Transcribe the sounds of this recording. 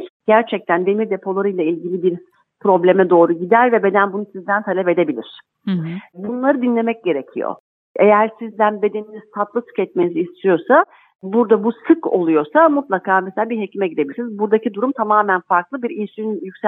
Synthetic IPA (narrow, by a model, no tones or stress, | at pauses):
ɟ̥æɾt͡ʃʰɛc̚t̪ʰænd̪e̞miɾd̪e̞pʰo̞lˠaɾɯjlˠailʲɟilʲibiɾ | pɾo̞blʲe̞mɛd̪o̞ːɾuɟid̪æɾvɛbe̞d̪ænbunusizd̪ænt̪ʰalʲɛpe̞d̪e̞bilʲḭɾ̝̥ | bunlˠaɾɯd̪inlʲe̞mɛc̚ɟe̞ɾe̞cʰḭjo̰ | e̞jæɾsizd̪ænbe̞d̪e̞ninizt̪ʰat̪lˠɯsɯ̥kɛt̪̚me̞niziːst̪ʰijo̞sa | buɾd̪abusɯko̞̰lˠujo̞samut̪lˠakʰaːmeselʲabiɾɦe̞cʰimɛɟid̪ebilʲisnizbuɾd̪acʰid̪uɾumt̪ʰamaːmænfaɾklˠɯbiɾijsyynjycs